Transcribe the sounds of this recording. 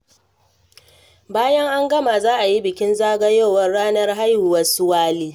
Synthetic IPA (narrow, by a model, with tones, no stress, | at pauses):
baː˦jɐ˦ŋʔa˦ŋɡɐ˦maː˨zaː˦ʔa˨ji˦bɪ˨kʲɪ˦nzaː˦ɡɐ˦joː˦˨wɐ˦rɽaː˦nɐ˦rɦa˦jhʊ˨wɐ˦sʊ˦waː˦liː˦